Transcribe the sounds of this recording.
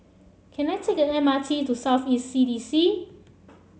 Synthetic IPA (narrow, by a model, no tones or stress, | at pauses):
kʰɛ̃najtʰekɛtɛmatʰitusawθisidisi